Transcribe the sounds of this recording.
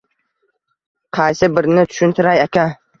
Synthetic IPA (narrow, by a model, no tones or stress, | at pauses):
qʰɑjsɪbɪɾnɪt̪ʰʊ̥ʃʊnt̪ʰɪɾajakʲa